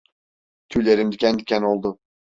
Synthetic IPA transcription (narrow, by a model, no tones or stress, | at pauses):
t̪ʰylʲeɾimd̪ikʲænd̪ikʲænolˠd̪ʊ